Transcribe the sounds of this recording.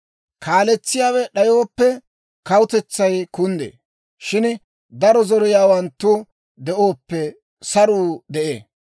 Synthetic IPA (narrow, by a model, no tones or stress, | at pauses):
kʰaːlɛt͡sːɪjaːwɛɗɐjo̞ːpːɛ | kɐwʊt̪ɛt͡sːɐjkʊnd̪ḛː | ʃɪn | d̪ɐɾɔzɔɾɔjaːwɐnt̪ːʊ | d̪ɛʔo̞ːpːɛ | sɐɾuːd̪ɛʔḛː